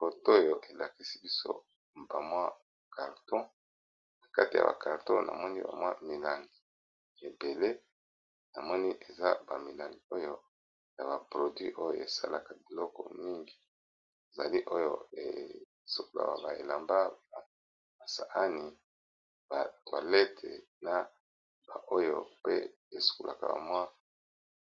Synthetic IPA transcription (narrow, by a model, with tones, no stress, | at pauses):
fo˨to˦jo˨ʔe˨la˨ki˦si˦bi˦so̰˦ | ba˨mwa˦ | ka˨ʁtɔ̃˦ | na˨ka˦ti˨a̰˨ba̰˨ka˨ʁtõ˦na̰˨mɔ˦ni˦ba̰˨mwa˦mi˨la˨ŋɡi˨ | e˨be˨le˦ | na˨mɔ˦ni˦ʔe˨za˦ba˨mi˨la˨ŋɡi˨o˦jo˦ | ja˨ba˨pʁo˨dɥi˦ʔo˦jo̰˨e˨sa̰˦la˨ka˨bi˨lɔ˦kɔ̰˨mi˦ŋɡi˨ | e˨za˨li˦ʔo˦jo̰˦e˨ | su˨ko˨la̰˨wa̰˨ba˨e˨la˨mba˦ba˨ | ba˨sa˨ʔa˦ni˨ | ba˨twa˨lɛ˦tʰe˨ | na˨ | ba˨ʔo˦jo̰˨pe˦ | e˨su̥˨ko˨lʔa̰˨ka̰˨ba̰˨mwa˦